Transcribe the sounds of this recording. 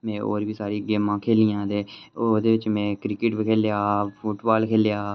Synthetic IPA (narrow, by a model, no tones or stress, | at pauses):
mɛ̃ːo̰ːɾʋiːsaːɾiːɡeːmãːkʰeːlijãːt̪eːoːd̪eːʋɪt͡ʃmɛ̃ːkɾɪkɪʈbikʰeːljaːpʰuʈbaːlkʰeːljaː